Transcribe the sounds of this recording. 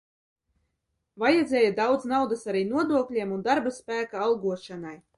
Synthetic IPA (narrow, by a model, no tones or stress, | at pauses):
vajɛd̪zʲɛːjad̪awd̪znawd̪asaɾiːnuɔd̪uɔklʲiɛmund̪aɾbaspæːkaalˠɡuɔʃanaj